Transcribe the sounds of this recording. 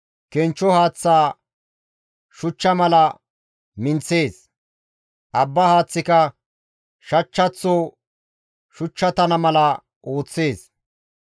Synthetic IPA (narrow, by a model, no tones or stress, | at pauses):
kɛnt͡ʃːɔhaːt͡sːaː | ʃʊt͡ʃːɐmɐlɐ | mɪnt͡se̞ːs | ʔɐbːɐhaːt͡sːɪkɐ | ʃɐt͡ʃːɐt͡sːo | ʃʊt͡ʃːɐt̪ɐnɐmɐlɐ | ʔo̞ːt͡sːe̞ːs